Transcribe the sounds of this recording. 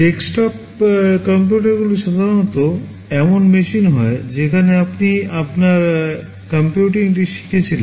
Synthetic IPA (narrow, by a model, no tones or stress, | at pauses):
ʈeksʈɔp | kəmpjuʈ̬aɾɡuloʃad̪ʱaɾonɔt̪o | ɛmonmeʃinɦɔed͡ʑekʰaneapniapnaɾ | kəmpjuʈiŋʈ̬iʃi̥kʰet͡ɕʰilen